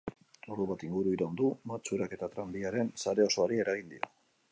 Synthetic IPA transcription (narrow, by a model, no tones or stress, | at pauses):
uruβat̪iŋɡuɾuiɾand̪umat͡suɾake̞t̪at̪ɾambiaɾe̞nsaɾe̞o̞so̞aɾie̞ɾaɣ̞ind̪io̞